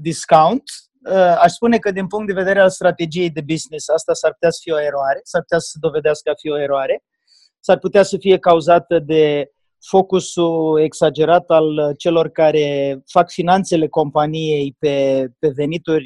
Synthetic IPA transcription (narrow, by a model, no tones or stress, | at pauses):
d̪iskawunt̪ | əaʃspune̞kəd̪inpuŋkt̪̚d̪e̞ve̞d̪eɾealst̪ɾat̪e̞d͡ʒije̞jd̪e̞biznisast̪asarpu̥t̪easə̥fio̞e̞ɾoaɾe̞sarp̚ut̪asə̥sed̪o̞ve̞d̪easkəafio̞e̞ɾoaɾe̞ | sarput̪easəfije̞kauzat̪əd̪e̞ | fo̞kusue̞ksad͡ʒe̞ɾat̪alt͡ʃe̞lo̞rkaɾe̞fakfinant̪se̞le̞ko̞mpanije̞jpe̞pe̞ve̞nit̪urʲ